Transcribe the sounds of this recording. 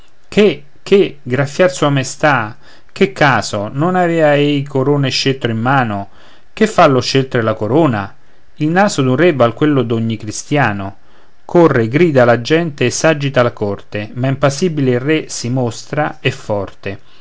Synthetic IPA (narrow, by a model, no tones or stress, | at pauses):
kʰe | kʰːeɡɾafːjarsuamest̪a | kekʰːaːsononavɛːaejkʰoɾoːneʃelt̪ɾoimːaːno | k̟efːalːʊʃelt̪ɾelakoɾoːna | ilnaːsod̪unrɛvalkwelːod̪oɲːikɾist̪jaːno | kʰorːeɡɾiːd̪alad͡ʒɛnt̪eːsːad͡ʒit̪alakɔrt̪emaimpasiːbileiresimost̪ɾaɛfːɔrt̪e